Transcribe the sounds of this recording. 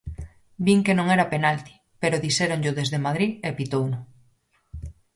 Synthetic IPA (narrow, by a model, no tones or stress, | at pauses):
biŋkenõŋɛɾapenalt̪i̥ | peɾʊðiseɾoŋʎʊðezðemaðɾiepit̪ownʊ